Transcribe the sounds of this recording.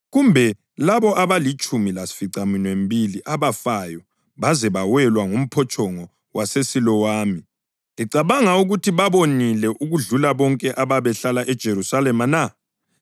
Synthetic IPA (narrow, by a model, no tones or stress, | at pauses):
ɣumbʱɛ | laβɔʔaβalit͡ʃʼumilasi̥fiǀaminwem̩bʱiliʔaβafajɔ | βazɛβawɛlwaŋum̩pʰɔt͡ʃʼɔŋɔ | wʔasesilɔwaːmi | iǀaβaŋauɣutʰiβaβonilɛʔuɣuɮulaβɔŋkʼɛʔaβaβɛɬalaʔɛd̥ʒ̥ʱeɾusalɛmana